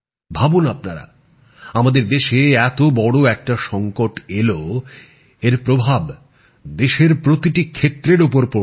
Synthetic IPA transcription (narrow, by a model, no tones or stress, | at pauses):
bʱabunap̚naɾa̰ | amad̪eɾd̪eʃeɛt̪obɔɽoɛk̚ʈaʃɔŋkoʈelo | eɾpɾobʱab | d̪eʃeɾpɾot̪iʈikʰːet̪ːɾeɾupoɾpo